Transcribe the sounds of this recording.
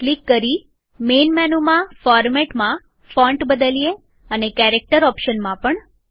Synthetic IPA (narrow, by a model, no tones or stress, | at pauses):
klikːəɾi | menmɛnumãfɔɾmɛʈmã | fɔ̃ɳʈbəd̪əlije | ənekɛɾek̚ʈəɾɔpʃənmãpəɳ